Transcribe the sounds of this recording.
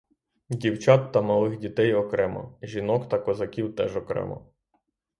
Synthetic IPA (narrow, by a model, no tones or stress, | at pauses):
dʲiwt͡ʃɑt̪ːɐmɐlˠɪxdʲit̪ɛjɔkɾɛmɐ̰ʒʲinɔkt̪ɐkɔzɐkʲiwt̪ɛʒɔkɾɛ̰mɔ̰